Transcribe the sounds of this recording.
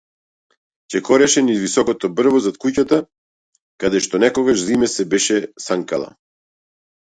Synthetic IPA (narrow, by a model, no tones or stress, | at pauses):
cɛkɔɾɛʃɛnizvisɔkɔt̪ɔbr̩vɔzat̪̚kucat̪a | kad̪ɛʃt̪ɔnɛkɔɡaʃzimɛsɛbɛʃɛsaŋkalˠa̰